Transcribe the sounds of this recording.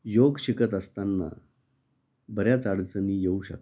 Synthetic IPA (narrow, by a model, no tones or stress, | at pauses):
joɡɕikət̪əst̪anːa̰ | bəɾjat͡saɽt͡sənijeuːɕə̰k̪̚